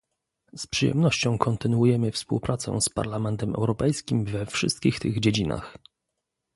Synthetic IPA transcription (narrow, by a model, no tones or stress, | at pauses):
spʂɘjɛ̰mnɔɕt͡ɕɔ̃w̃kʰɔnt̪ɘnwujɛmɘfspṵwpɾʔat̪sɛ̰̃spa̰ɾlamɛnt̪ɛmɛ̰wɾɔpɛjskʲimvɛfʂɘ̰st̪̚kʲixt̪ɘ̰ɣd͡ʑed͡ʑina̰x